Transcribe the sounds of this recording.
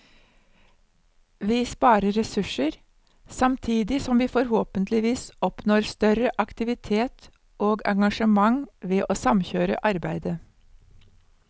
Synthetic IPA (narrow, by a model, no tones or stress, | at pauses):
ʋiːspɑːɾəːɛsʉʃəɾ | sɑmt̪ʰiːd̪ɪsɔmʋiːfɔɾhoːpənt̪lɪʋiːsɔpnoːɾst̪œɾəʔɑkt̪ɪʋɪt̪ʰeːt̪ | ʔoːɡɑ̰ŋɡɑʃəmɑŋʋeːʔoːsɑmçøːɾə̰ʔɑɾbæɪd̪ə